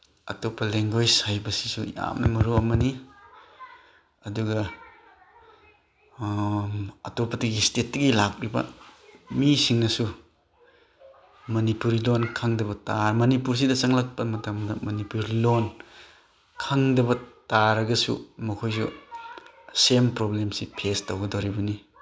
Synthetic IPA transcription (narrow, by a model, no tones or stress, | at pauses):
ɐ̰topʰːɐleŋɡojshajbɐsi̥sṵja̰mnɐ̰mɐɾuɐmɐni | ɐduɡɐ | ɐtopʰːɐtɐɡistet̚ːɐɡilak̚ɾibɐ̰misiŋnɐsu | mɐnipuɾilonkʰaŋdɐbɐtaɾmɐnipuɾs̬idɐsaŋlak̚pɐmɐtamdɐmɐnipuɾilon | kʰaŋdɐbɐtaɾɐɡɐsṵmɐkʰojs̬u | sempɾoblemsipʰestowɡɐdowɾibɐni